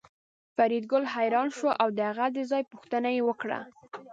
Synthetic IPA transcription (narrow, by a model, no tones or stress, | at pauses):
faɾid̪ɡʊlɦajɾɑnʃoʔawd̪əhaɣad̪əzɑjpuxt̪ənajewəkɽa̰